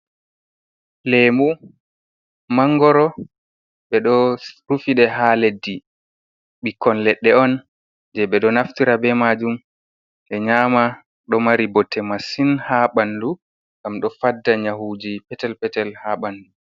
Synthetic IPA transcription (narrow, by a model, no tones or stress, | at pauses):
lemu | maŋɡɔɾɔ | ɓɛɗɔɾufiɗɛɦaledːi | ɓikːɔnlɛɗːɛɔn | d͡ʒɛɓɛɗɔnaftiɾabɛmaːd͡ʒum | ʔɛɲaːma | ɗɔmaɾibɔtʰːɛmasinhaɓandu | ŋɡamɗɔfadːaɲaɦuːd͡ʒipɛtɛlpɛtɛlhaɓandu